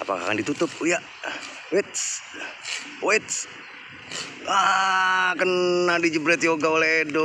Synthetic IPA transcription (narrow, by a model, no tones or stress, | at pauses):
a̰pa̰ka̰ka̰ndit̪ut̪ʊp̚ja | wet̪s | wet̪s | a | kənːadid͡ʒəbɾɛt̪joɡaolɛdɔ